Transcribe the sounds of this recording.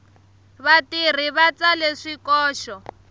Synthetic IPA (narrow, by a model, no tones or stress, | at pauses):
βatir̤iβat͡saleʂikɔːʃɔ